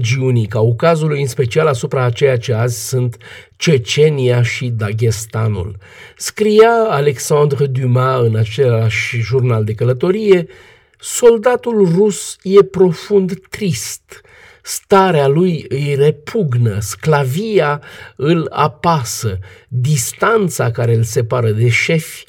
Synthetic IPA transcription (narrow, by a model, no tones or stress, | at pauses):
d͡ʒiunikaukazulujɨnspe̞t͡ʃialasupɾaːt͡ʃe̞jat͡ʃeazʲsɨnt̪ | t͡ʃet͡ʃe̞nijaʃid̪aɡʲest̪anṵl | skɾijaːle̞ksãnd̪ɾd̪ymaɨnat͡ʃe̞laʃʒurnald̪e̞kələt̪o̞ɾije̞ | so̞ld̪at̪ulrusje̞pɾo̞fund̪t̪ɾist̪ | st̪aɾealujɨjre̞pʰuɡnə̰sklavijaɨla̰pasəd̪ist̪ant̪sakaɾe̞ɨlse̞paɾəd̪e̞ʃe̞fʲ